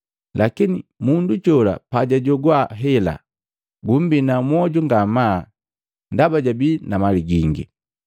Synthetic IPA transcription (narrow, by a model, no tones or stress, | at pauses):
lʔakinimundut͡ʃɔla̰paɟaɟɔɡwaɦɛla̰ | ɡum̩binamwɔɟɔŋɡama | ndabaɟabinamaliɡiŋɡḭ